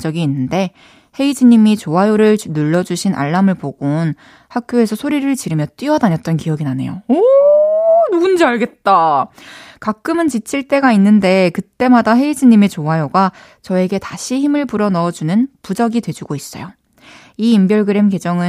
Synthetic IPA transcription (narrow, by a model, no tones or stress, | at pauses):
d͡ʑʌɡiːnːɯnde̞ | he̞id͡ʑiɲimit͡ɕoajoɾɯɭnuɭːʌd͡ʑuɕʰinʔa̰ɭːamɯɭpoɡ̥on | hakʰjoe̞sʰʌsʰoɾiɾɯɭt͡ɕiɾɯmjʌt͈wiʌdaɲʌt̚t͈ʌnkijʌɡinane̞̰jo̰o | nuɡund͡ʑeaɭɡe̞t̚t͈a | kak͈ɯmɯnt͡ɕit͡ɕʰiɭt͈e̞ɡainːɯnde̞kɯt͈e̞madaɦe̞id͡ʑiɲːimit͡ɕoajoɡa | t͡ɕʌe̞ɡe̞taɕʰiçimɯɭpuɾʌnʌd͡ʑunɯnpud͡ʑʌɡidwe̞d͡ʑuɡois͈ʌjo | iːmbjʌɭɡɯɾe̞mke̞d͡ʑʌŋɯ